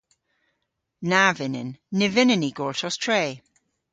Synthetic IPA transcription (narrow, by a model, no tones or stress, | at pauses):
navɪnɪ̰nːɪvɪnɪniɡ̥ɔɹtɔstʰɹeː